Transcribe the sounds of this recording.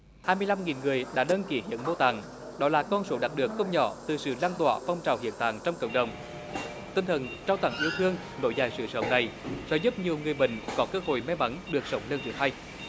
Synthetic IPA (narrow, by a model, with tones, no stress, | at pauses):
haː˧jmɨ˧əjla˧mŋi˨˩nŋɨ˨˩əjɗa̰ː˧˥ɗəː˧nki˧˩˦hḭ˧˥ənmo˧t̪a̰˧˨˩ŋ | ɗɔ˨˦laː˨˩kɔ˧nso˨˦ɗa˨˩t̚ɗɨ˨˩əkːə˧wŋ͡mɲɔ̰˧˩t̪ɨ˨˩sɨ̰˧˨laː˧nt̪wa̰ː˧˨fa˧wŋ͡mt͡ɕaː˨˩whḭ˧˨ənt̪a̰˧˨˩ŋt͡ɕɔ˧wŋ͡mkə̰˧˩wŋ͡mɗə˨˩wŋ͡m | t̪ï˧nt̪ʰə˨˩nt͡ɕaː˧wt̪a˧˩ŋʔi˧əwt̪ʰɨ˧əŋ | no̰˧˦jzaː˨˩jsɨ̰˧˨sə̰˧˨˦wŋ͡mna˨˩jzɔ̰˧˦zu˦˥p̚ɲi˨˩əwŋɨ˨˩əjɓï˧˨ŋ̟kɔ˨˦kəː˧ho̰˧˨jmɛ˧ma˨˦ŋɗɨ˨˩ək̚sə˨˦wŋ͡mle˧nt͡ɕɨ˨˦ha˧j